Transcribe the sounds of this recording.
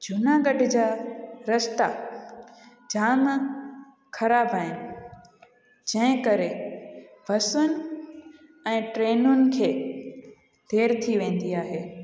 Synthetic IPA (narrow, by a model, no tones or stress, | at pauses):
d͡ʑʱʊnaɡɐɖʱd͡ʑaːɾɐst̪a | d͡ʑaːm | kʰɐɾaːbʱaːɪnɪ̆ | d͡ʑɐ̃ɦɪ̃kɐɾe | bʱɐsʊnɪ̆ | ɛ̃ːʈɾeːnʊnɪ̆kʰeː | d̪ʱeːɾt̪ʰiʋẽːn̆d̪iaːɦeː